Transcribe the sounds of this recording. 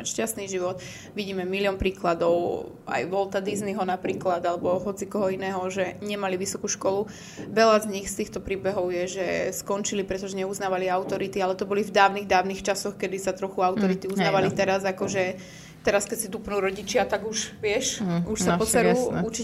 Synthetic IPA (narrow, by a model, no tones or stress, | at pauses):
ʃcast̪niʒiʋɔt̪ | ʋiɟiːmɛmiliɔnpɾiːklad̪ɔʊ | a̰jʋɔlt̪ad̪izniɦɔnapɾiːklad̪alɛbɔɦɔt͡sikɔɦɔinɛːɦɔʒɛɲɛmaliʋisɔkuːʃkɔlu | ʋɛʎazɲixst̪iːxt̪ɔpɾiːbɛɦɔʊjɛʒɛskɔnt͡ʃilipɾɛt̪ɔʒɛɲɛuznaːʋaliawt̪ɔɾit̪ialɛt̪ɔbɔlivd̪aːʊniɣd̪aːʊnixt͡ʃasɔxkɛd̪isat̪ɾɔxuawt̪ɔɾit̪iuznaːʋalit̪ɛɾazakɔʒɛ | t̪ɛɾaskɛcsid̪upnuːɾɔɟit͡ʃɪat̪aɡuʃʋɪɛʃuʃsappɔt͡sɛɾuːut͡ʃi